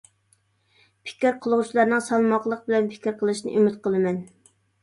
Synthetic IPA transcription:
pʰɪ̥kʲɾqʰəlˠuʁut͡ʃʰilˠɑɾnɨŋsɑlˠmɑqlˠəq̚bɪlɛnpʰɪ̥kʲɾqʰəlˠɨʃnɨ̰ʔymɪt̪̚qəlˠɨmɛn

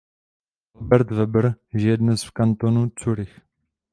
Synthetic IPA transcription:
ʔalbɛɾt̪vɛbɾʒɪjɛdnɛsfkant̪onut͡suɾɪx

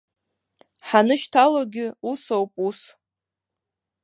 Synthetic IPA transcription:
ħanɨʃtʰaloɡʲɪusowpʼus

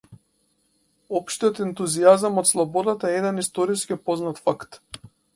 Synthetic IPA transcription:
ɔpʃt̪ijɔt̪ɛnt̪uziazamɔt̪slˠɔbɔd̪at̪aɛɛd̪ɛnist̪ɔɾiskipɔznat̪fakt̪

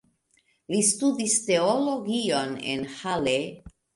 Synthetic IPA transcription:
list̪udist̪eoloɡionḛnhale

